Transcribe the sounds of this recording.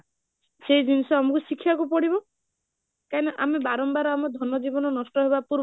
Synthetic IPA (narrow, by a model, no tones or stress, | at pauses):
sejd͡ʒinisɔamɔkusikʰːjakupɔɽibɔ | kanɔʔamebaɾɔmbaɾɔamɔd̪ʱɔnɔd͡ʒibɔnɔnɔsʈɔɦebapuɾ